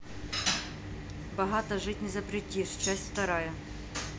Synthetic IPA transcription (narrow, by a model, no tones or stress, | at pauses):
bɐɦɑt̪ɐʐɪtʲnʲɪzɐpɾʲɪtʲiʂt͡ɕasʲtʲft̪ɐɾɑjɛ